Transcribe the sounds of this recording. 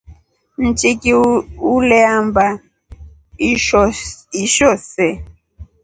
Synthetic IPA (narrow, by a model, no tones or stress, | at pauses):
n̩t͡ʃikiulɛamba | ɔiʃɔsɛ